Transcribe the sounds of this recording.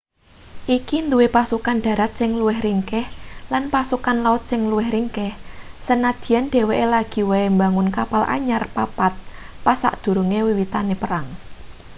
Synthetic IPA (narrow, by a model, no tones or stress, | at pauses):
ʔikind̪uwepasukanɖ̪̥ä̤ɾat̪̚sɪŋluwɪhriŋkɛhlanpasukanlaʊt̪̚sɪŋluwɪhriŋkɛhsənad̪̥i̤janɖ̪̥e̤weʔelaɡ̥i̤weembaŋʊnkapalʔa̰ɲarpapat̪̚ | pasa̰ʔd̪̥ṳɾuŋewiwit̪anepəɾaŋ